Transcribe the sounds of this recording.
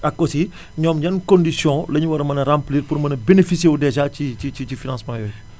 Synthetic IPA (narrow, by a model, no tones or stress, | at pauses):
ɐkːosi | ɲɔːmɟɐnkɔ̃ndisjɔ̃lɐɲuwɐɾmɐnɐɾãmpliːrpuɾmɐnɐbenefisjewdɛʒacicicit͡ʃifinãnsmãːjɔj